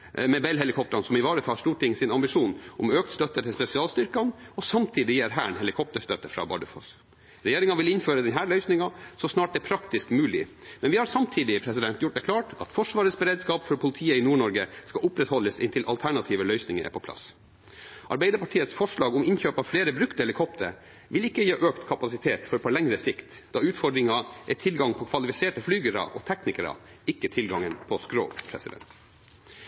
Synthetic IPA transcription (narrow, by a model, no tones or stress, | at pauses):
mɛbɛlɦɛlɪkʰɔp̚t̪ɾɑnsɔmɪʋɑːɾəfʰɑlʂt̪uːʈʰɪŋːəsɪnɑmbɪʂuːnʔɔmøːk̚t̪st̪œt̪ːəʈʰɪlspɛsɪɑːlst̪ʏɾkɑnɔsɑmt̪ʰiːd̪ɪjæɾɦæ̰ːɳhɛlɪkʰɔp̚t̪əʂt̪œt̪ːəfɾɑ̰bɑ̰ɖʉfɔ̰s | ɾɛjeːɾɪŋɑʋɪlɪnføːɾəd̪ɛnɦæːɭœʏsnɪŋɑsɔsnɑːʈ̚d̪ɛpʰɾɑkt̪ɪskmʉːlɪmɛnʋɪhɑɾsɑmt̪ʰiːd̪ɪpʰɾɛsɪd̪ɛnt̪jʊʈ̚ːd̪ɛkʰlɑːʈɑ̰t̪fɔʂʋɑːɾəsbəɾeːd̪skɑːpfɔɾpʰʊlɪt̪ʰiːəɪnuːɳɔɾɡəskɑʔʊpɾɛt̪hɔlːəsɪnt̪ʰɪlʔɑ̰lt̪ʰæɳɑt̪ʰiːʋəlœʏsnɪŋə̰æ̰ɾpʰɔpʰlɑ̰s | ʔɑ̰ɾbæɪd̪əɾpʰɑʈʰiːət̪sfɔʂɭɑːɡɔmɪnçøːpɑʋfleːɾəbɾʉkt̪əɛləkʰɔpt̪ʰəɾ | ʋɪlɪkːəjeːʔøːkt̪kʰɑpɑsɪt̪ʰeːt̪fɔɾpʰɔlɛŋɾəsɪkt̪ | d̪ɑʉːt̪fɔɖɾɪŋɑʔɛt̪ʰɪlɡɑŋpʰɔkʰʋɑlɪfɪseːʈəflyːɡəɾɑ̰ʔɔ̰t̪ʰɛknɪkəɾɑ̰ɪkːət̪ʰɪlɡɑŋənpʰɔskɾo̰ːpʰɾɛ̰sɪd̪ɛ̰nt̪